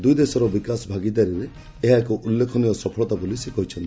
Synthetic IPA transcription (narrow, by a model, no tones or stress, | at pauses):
d̪ujd̪esɔɾɔbikasbʱaɡit̪aɾiɾe | eɦaekɔʔulːekʰɔnijɔsɔpʰɔɭɔt̪abolisekɔɦit͡ʃʰɔnt̪i̥